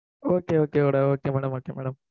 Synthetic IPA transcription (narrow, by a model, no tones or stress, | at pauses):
oːkːeoːkːeoːɽeoːkːemɛːɽɐmoːkːemɛːɽɐm